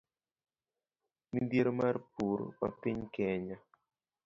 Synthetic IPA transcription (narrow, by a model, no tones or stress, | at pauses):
mind̪jeɾomarpuɾ̰pa̰pɪɲkɛɲa